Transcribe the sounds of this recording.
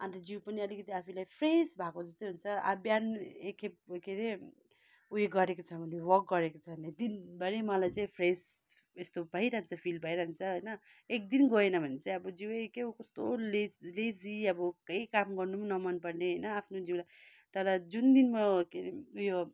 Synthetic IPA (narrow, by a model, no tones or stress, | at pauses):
ãnt̪ʌd͡ziwpʌniʌlikʌt̪iapʰilajpʰresbʱakod͡zʌst̪ʌjɦunt͡sʰʌa̰bjanekep̚keɾe | ueɡʌɾekot͡sʰʌbʱʌnewʌk̚ɡʌɾekot͡sʰʌned̪inbʱʌɾemʌlajt͡saĩpʰres | est̪obʱʌɦiɾʌɦnt͡sʰʌpʰilbʱʌiɾʌɦnt͡sʰʌɦʌjnʌ | ek̚d̪inɡoenʌbʱʌnet͡saĩʌbʌd͡ziweekeukʌst̪oleled͡ziʌbʌkʌjkamɡʌrnumanʌmʌnpʌrneɦʌjnʌapʰnod͡ziwlaj | t̪ʌɾʌd͡zund̪inmʌkeɾeujo